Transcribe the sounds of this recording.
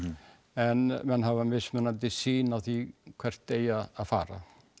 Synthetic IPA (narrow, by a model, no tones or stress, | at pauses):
ɛnmɛnɦavanvɪsmɛnat̪ɪsiːnaθikʰvɛr̥t̪ːejaːðfa̰ːɾa̰